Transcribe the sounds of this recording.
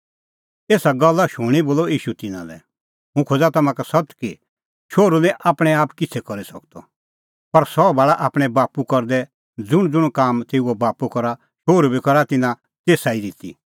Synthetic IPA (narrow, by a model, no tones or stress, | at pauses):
eːsaɡɔlːaʃʊːɽ̃iboːlɔiːʃut̪ɪnã̰lɛ̰ | ɦʊ̃kʰoːd͡zat̪ɐmãkasɔt̪ki | ʃoːɾulɛ̃ʔaːpɽ̃ɛ̃aːpkɪt͡sʰɛkɔɾisɐkt̪ɔ̰ | pɐɾsɔbaːɭaʔaːpɽ̃ɛbaːpukɔɾd̪ɛ | d͡zʊɽ̃d͡zʊɽ̃kaːmt̪eːuɔbaːpukɔɾa | ʃoːɾubikɔɾat̪ɪnã | t̪eːsaid̪ɪt̪ḭ